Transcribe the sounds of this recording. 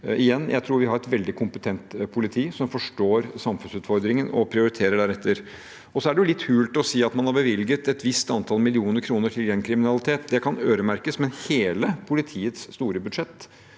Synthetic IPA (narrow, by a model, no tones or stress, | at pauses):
ʔɪjɛnːjʔæ̰ɪt̪ʰɾuːɾʋɪɦɑɾɛt̪ʋɛld̪ɪkʰʊmpət̪ʰɛnt̪pʰʊlɪt̪ʰiːsɔmfɔʂʈoːɾsɑmfʉnsʉːt̪fɔɾd̪ɾɪŋənɔpʰɾɪʊɾɪt̪ʰeːɾəɖæɾɛt̪ʰːəɾ | ɔsɔæɖɛjʊlɪt̪ːhʉːlt̪ɔsiːɑt̪mɑnhɑɾbəʋɪlɡət̪ɛt̪ʋɪst̪ɑnt̪ʰɑlmɪlɪuːnəɾkʰɾuːnəʈʰɪljɛnkʰɾɪmɪnɑlɪt̪ʰeːt̪d̪ɛkʰɑnøːɾəmæɾkəsmɛnheːləpʰʊlɪt̪ʰiːət̪sːt̪uːɾəbʉd̪ʂɛt̪ː